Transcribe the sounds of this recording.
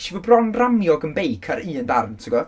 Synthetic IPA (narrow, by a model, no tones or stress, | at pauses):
ʃivɔbrɔnramjɔɡənbejkʰaɾiːəndarntʰiɡɔ